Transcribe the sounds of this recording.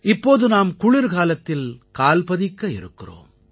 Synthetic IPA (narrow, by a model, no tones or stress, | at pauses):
ʔɪpːoːðɯnaːmkʊɭɪɾkaːlɐt̪ːɪlkaːlpɐðɪkːɐɪ̰ɾɯkːɪro̰ːm